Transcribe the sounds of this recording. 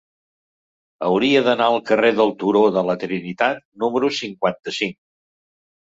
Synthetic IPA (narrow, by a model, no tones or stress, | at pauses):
əwɾiəðənaəlˠkəreðəlˠt̪uɾoðələt̪ɾinit̪at̪̚numəɾusiŋkwant̪əsiŋ